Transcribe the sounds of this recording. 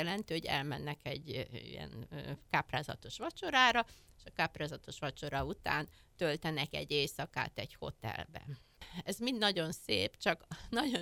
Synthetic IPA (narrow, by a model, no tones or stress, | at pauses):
ɛlɛnt̪øːoɟɛ̰lmɛnːɛkɛɟːḭjɛ̰nːkaːpraːzɒ̰t̪o̞ʃʋɒt͡ʃo̞ɾaːɾɒeʃɒkaːpraːzɒt̪o̞ʃʋɒt͡ʃo̞ɾɒut̪a̰ːnt̪ølt̪ɛnɛkɛ̰ɟːeːsɒka̰ːt̪ɛɟho̞̰t̪ɛ̰lbɛ̰ | ɛzmind̪nɒɟo̞nsḛːpt͡ʃɒknɒɟo